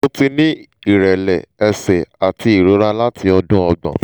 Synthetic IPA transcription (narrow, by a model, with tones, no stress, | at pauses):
o˦ti˧nĩ˦ | i˦˨ɾɛ˨lɛ˨ɛ˧sɛ˨a˨ti˧i˨ɾo˨˦ɾa˦la˦tʰi˧ɔ˧dũ˦ɔ˧ɡ͡bɔ̰̃˨